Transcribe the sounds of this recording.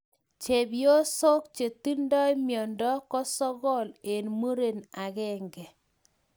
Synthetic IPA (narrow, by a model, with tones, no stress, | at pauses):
t͡ʃe˨bjo˦so˦kt͡ʃe˨ti˦ndɔ˦i˦mjɔ˨ndɔ˦kɔ˦sɔ˦ɣɔ˦le˨nmo˦ɾe˦˨na˨ɣɛ˦ŋɡɛ˨